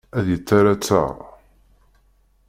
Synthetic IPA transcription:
æðjət͡sːaɾæt͡sːə̰ʁ

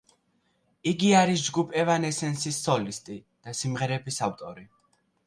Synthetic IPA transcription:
iɡiaɾis̬d͡ʒɡupʰʼɛvanɛsɛnsisːɔlist̪ʼi | d̪̥asimʁɛɾɛbisavt̪ʼɔɾi

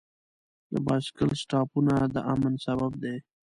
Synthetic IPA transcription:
d̪ə̰bɑskəlsʈɑpunad̪əʔamənsabab̚d̪e

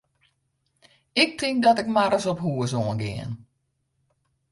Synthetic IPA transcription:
ɪk̚tʰɪŋk̚dɔtɪkmaɾəsɔpɦuəsoənɡɪ̰ːən

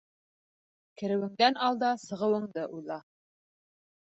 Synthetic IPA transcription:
kɘ̆ɾɘ̆wɘ̆ŋd̪ænɑlˠd̪ɑsɤ̆ʁɤ̆wɤ̆ɴd̪ɤʔujlˠɑ

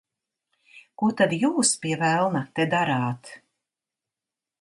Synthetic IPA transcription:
kut̪ad̪juːspiɛvælˠnat̪ed̪aɾaːt̪

